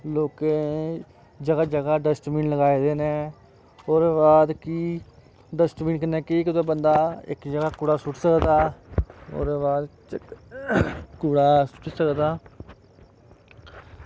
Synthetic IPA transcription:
loːkeː | d͡ʒəɡaːd͡ʒəɡaːɖəsʈmĩːnləɡaːiːd̪eːneː | oːɾebaːd̪kiː | ɖəsʈmiːnkənɛːkiːkɪt̪oːbənd̪aːɪ̰kd͡ʒəɡaːkuːɽaːsʊʈsəkd̪aː | o̰ːɾeːbaːd̪ | kuːɽaːsʊ̥ʈsəkd̪aː

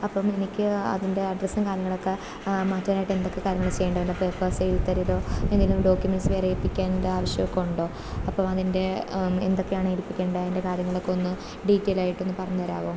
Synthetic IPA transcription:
ɐpːɐme̞nikʲːɨɐ̰ðinde̞ɐɖrɐsnɐkaːɾjɐŋːɐɭo̞kːe̞ | maːt̪ːɐʋinaːjʈːe̞nd̪o̞kːe̞kaːɾjɐŋːɐɭt͡ɕe̞jːeɳɖɐʋeɳːɖɐpeːpɐsejilt̪ɐɾiðo̞ːenːilːumɖo̞ːkʲjumensʋeɐrilpːikʲːaːndaːʋɐɕjɐʋɐkːuɳɖo̞ː | ɐpːɐmɐðinde̞ḛnd̪o̞kːe̞jaːɳɨelpːikʲːe̞ːɳɖɐðinde̞kaːɾjɐŋːɐɭokːeo̞nːɨ | ɖitːeːlaːjiʈːe̞nːɨpɐrɐɲːuʋɐɾa̰ːʋom

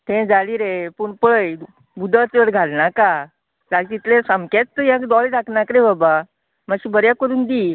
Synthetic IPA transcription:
t̪ẽd͡zaliːɾepuɳpɭəj | bud̪ʱət͡sʋəɽɡʱalnaka | d͡zaɾit̪it̪lẽsamkat͡st̪ːəjãkd̪ɔld̪akʰnakɾebaba | maɕiːbəɾjakːəɾuːnd̪iː

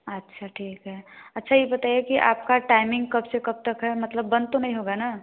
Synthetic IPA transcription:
ətːʃʰaʈʰiːkɦɛɐtːʃʰajebɐt̪aːjekiʔa̰ːp̚kaʈaːɪmɪ̃ŋɡkɐbsekɐb̚t̪əkɦɛmɐt̪ləbːɐ̃nd̪t̪onɐɦĩɦoɡana

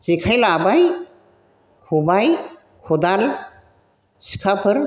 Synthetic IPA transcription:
zekʰajlabaj | kʰubaj | kʰɔd̪al | si̥kʰapʰɯɾ

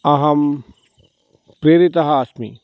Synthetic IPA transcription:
ɐɦɐm | pɾeːɾit̪ɐɦaːsmḭ

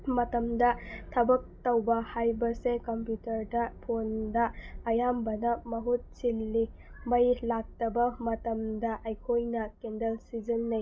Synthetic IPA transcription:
mɐtɐmdɐtʰɐbɐk̚tɐwbɐhajbɐsekɐmpjutɐɾdɐpʰondɐːjambɐnɐmɐɦut̚silːi | mɐjlak̚tɐbɐmɐtɐmdɐʔajkʰojnɐkendɐlsizɐnːɐj

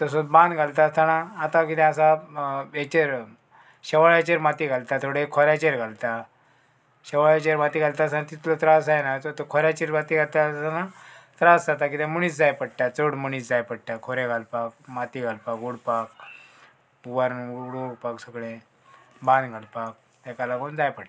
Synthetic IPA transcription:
t̪əs̬ot͡sbãnd̪ɡʱalt̪ast̪anaːt̪ãkit̪ɛ̃asaet͡ɕeɾ | ɕəʋaɭat͡ɕeɾmat̪iɡʱalt̪at̪ʰoɽekʰɔɾjat͡ɕeɾɡʱalt̪a | ɕəʋaɭet͡ɕeɾmat̪iɡalt̪asant̪it̪lət̪ɾasajnajt͡s̪ot̪əkʰoɾjat͡ɕeɾbat̪iɡalt̪at̪anat̪ɾasd͡zat̪akit̪ɛ̃muɽ̃iːt͡sd͡zajpəɽʈat͡səɽməɽ̃iːt͡sd͡zajpəɽʈ̪akʰoɾeɡʱalpak̚mat̪iɡʱalpakuɽpak̚ | ubaɾnuɽoɡpaksəɡɭẽ | bãnɡʱalpak̚ | t̪ɛ̃kalaɡond͡zajpəɽ

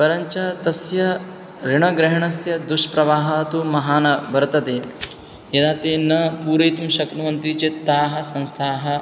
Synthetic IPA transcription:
pɐɾɐɲt͡ʃɐt̪ɐsjɐ | ɾiɳɐɡɾɪɦɐɳɐsjɐd̪uʂpɾɐʋaːɦɐːt̪umɐɦaːnɐbɐɾɐt̪ɐt̪eː | jɐd̪aːt̪eːnɐpuːɾɐjt̪umʃɐknɐʋɐnt̪it͡ʃet̪ːaːɦɐ̆sɐ̃nst̪ʰaːɦɐ̆

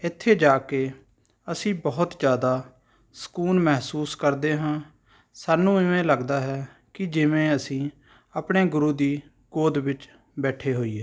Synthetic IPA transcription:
ɪt̪ʰːeːd͡ʒaːkeː | əsĩːbɔːʊt̪d͡ʒjaːd̪aː | sə̥kuːnmɛɦsuːskəɾd̪eːɦãː | saːnũːɪʋẽːləɡd̪aːɦɛː | kɪd͡ʒɪʋẽːəsĩː | apɳeːɡʊɾuːd̪iː | ɡ̥oːd̪ʋɪt͡ʃ | bɛːʈʰeːɦoːiːɦeː

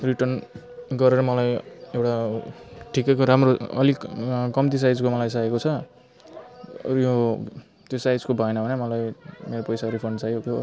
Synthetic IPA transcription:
riʈʌrn | ɡʌɾeɾʌmʌlajewʈa | ʈʰikekoɾamroʌ̰likʌmt̪isajd͡zkomʌlajs̬ajekot͡sʰʌ | jo | t̪josajd͡zkobʱʌenabʱʌnemʌlajmeɾopʌjsaɾipʰʌnɖsajokjo

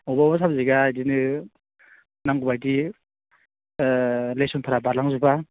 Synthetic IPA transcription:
ɔbaɔbasabziɡajdinɯ | naŋɡubajdi | lesɔnpʰaɾabaɾlaŋzuba

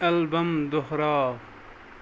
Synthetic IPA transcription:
ɐlbɐmd̪ohɾaː

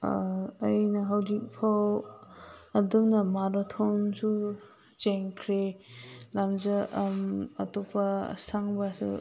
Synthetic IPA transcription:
ajnɐɦawzik̚pʰaw | ɐdɔmnamaɾɔtʰawnsu | zeŋkʰɾelamzamɐ̰tupʰɐsaŋbasṵ

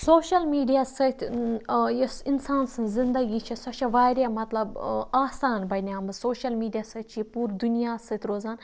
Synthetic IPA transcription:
soːʃɐlmiːɖijaːsɐt̪ʲʰ | jɐsinsaːnsɨ̃zɪnd̪ɐɡit͡ʃʰisɐt͡ʃʰɐʋaːɾʲjaːmɐt̪lɐbaːsaːnbɐnʲaːmsoːʃɐlmiːɖijaːsɐt̪̚t͡ʃʰipuːɾd̪unijaːsɐt̪ʲɾoːzaːn

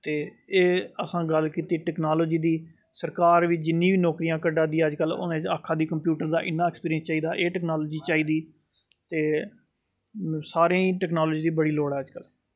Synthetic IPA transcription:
t̪eː | eːəsãːɡəlkiːt̪iːʈɛːknaːloːd͡ʒiːd̪iː | səɾkaːɾʋiːd͡ʒɪnːĩːʋiːnɔːkɾiːjãːkəɖãːd̪iːəd͡ʒkəlʊ̰nẽaːkʰːãːd̪iːkəmpjuːʈəɾd̪aːʔɪnːaːɛkspiːɾiənst͡ʃaːiːd̪aːʔeːʈɛːknaːloːd͡ʒiːt͡ʃaːiːd̪iː | t̪eː | saːɾẽːĩːʈɛːknaːloːd͡ʒiːd̪iːbəɽiːloːɽaːəd͡ʒkəl

